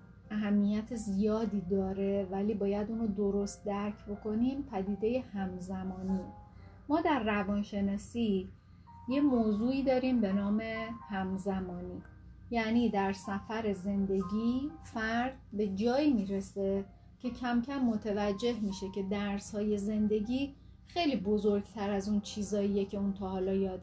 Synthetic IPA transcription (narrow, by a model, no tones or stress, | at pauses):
ʔæɦæmːijæt̪ʰezijɒːd̪iːd̪ɒːɾe̞væliːbɒːjæd̪unɾod̪oɾost̪̚d̪æɾcʰbo̞ko̞niːmpʰæd̪iːd̪e̞je̞hæmzæmɒːniː | mɒːd̪æɾːævɒːnʃe̞nɒːsiː | je̞moːzuːiːd̪ɒːɾiːmbe̞nɒːme̞hæmzæmɒːniː | jæniːd̪æɾsæfæɾe̞ze̞nd̪e̞ɟiːfæɾd̪̥be̞d͡ʒɒːiːmiːɾese̞ | cʰe̞cʰæmcʰæmːot̪ʰevæd͡ʒːe̞hmiːʃe̞cʰe̞d̪æɾshɒːje̞ze̞nd̪e̞ɟiː | xe̞jliːbozoɾɡ̥t̪ʰæɾæzunt͡ʃʰiːzɒːijecʰe̞unt̪ʰɒːhɒːlɒːjɒːd̪̥